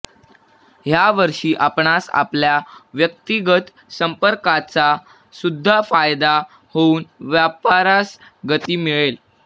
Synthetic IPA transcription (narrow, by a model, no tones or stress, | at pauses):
ɦjaʋəɾʂiːʔapɳasa̰pljaʋjək̚t̪iɡət̪ | səmpəɾkat͡sa | sud̪ʱːafajd̪a | houːnʋjapaɾas | ɡət̪iːmiɭel